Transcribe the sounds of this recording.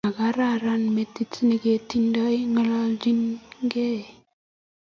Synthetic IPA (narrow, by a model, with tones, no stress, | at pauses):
a˨ɡa˦ɾa˦ɾanmet̪i˦t͡sni˨ɡetindɔjŋəlad͡ʒi˦nɡe˦